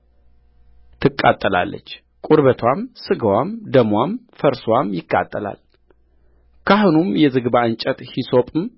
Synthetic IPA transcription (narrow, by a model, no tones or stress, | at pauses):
t̪ʰɨkʼːa̰t̪ʼːəla̰lːə̰t͡ʃː | kʼuɾβət̪ʰwamsɨɡəwamd̪əmwamfəɾswamjɪkʼːa̰t̪ʼːəla̰l | kʰaɦunumjɛzɨɡbaɨnt͡ʃʼət̪hiso̞pʼɨm